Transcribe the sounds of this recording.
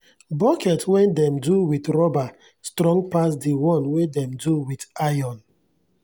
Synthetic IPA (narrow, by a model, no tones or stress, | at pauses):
bɔkʰɛtwɛ̃ndɛ̃mduwitɹɔba | stɾɔ̃ŋɡpas̬diwɔ̃nwedɛ̃mduwitajɔ̃n